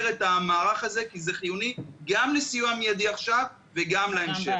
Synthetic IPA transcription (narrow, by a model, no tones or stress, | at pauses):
ʁe̞t̪amaːʁaχaze̞kize̞χijuniɡamlesijumamijad̪iaχʃav | veɡamlaemʃe